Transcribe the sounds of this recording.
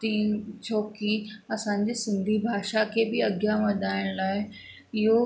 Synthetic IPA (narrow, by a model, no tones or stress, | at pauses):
t̪iːnt͡ɕʰoːkiɐsãːɲ̆d͡ʑesɪ̃nd̪ʱibʱaːʃakʰebɪɐɡjaʋɐd̪ʱaːɪɽ̃laːɪ | ɪɦo